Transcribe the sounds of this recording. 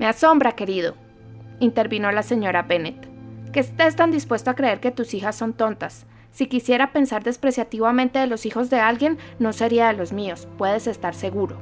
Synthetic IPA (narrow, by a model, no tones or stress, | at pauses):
measo̞mbɾake̞ɾiðo̞̰ | int̪e̞ɾβino̞lase̞ɲo̞ɾape̞ne̞t̪ke̞ːst̪e̞st̪and̪ispwe̞st̪oakɾe̞e̞ɾke̞t̪usixasːo̞nt̪o̞nt̪asː | ikisjeɾape̞nsaɾd̪e̞spɾe̞sjat̪iβamẽnt̪e̞ðelo̞sixo̞zd̪e̞alɡje̞nːo̞se̞ɾiaðelo̞zmio̞spwe̞ð̞e̞se̞st̪aɾse̞ɣuɾo̞